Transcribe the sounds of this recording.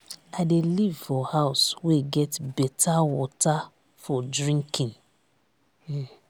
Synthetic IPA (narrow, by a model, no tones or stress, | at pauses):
aɪdelivfɔhaʊsweɡɛtbɛtʰawɔta | fɔdɹĩŋkʰĩn